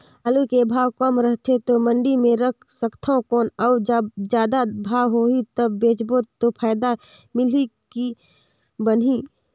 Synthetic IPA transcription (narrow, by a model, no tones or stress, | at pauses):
alukebʱaːwkəmɾəɦt̪ʰet̪omə̃ɳɖimẽɾəkʰsəkt̪ʰakɔːnəːd͡ʒd͡ʒjaːd̪abʱaːwɦoit̪əbːeːt͡ʃbot̪opʰaːɪd̪a | mɪliki | bəni